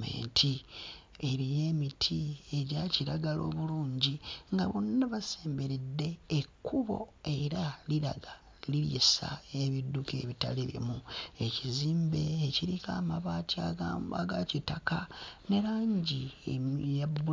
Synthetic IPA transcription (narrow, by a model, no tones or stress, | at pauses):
mḛːntʰi | e̞ɾije̞ːmitʰieɟaciɾaɡalo̞̰ːβuluːɲɟiŋɡaβonːaβase̞ːmbe̞ɾedːe̞ːkːuβo̞̰e̞ɾaliɾa̰ɡa | liljḭsa̰eβidːukḛβita̰liβḭmue̞ciziːmbe̞ːciɾikaːmaβaːtiaɡa̰ɡacitakane̞ɾaːɲɟi | jau